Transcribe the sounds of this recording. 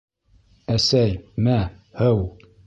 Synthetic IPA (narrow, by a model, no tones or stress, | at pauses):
æsæjmæ | hɘw